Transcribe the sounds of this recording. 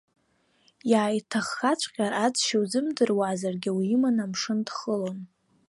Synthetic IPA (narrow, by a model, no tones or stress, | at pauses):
jaːjtʰaχːat͡ɕʷʰʼqʲʼarad͡zʃiwd͡zɨmdɨrwazarɡʲɪwiɪmanamʂɨndχəlon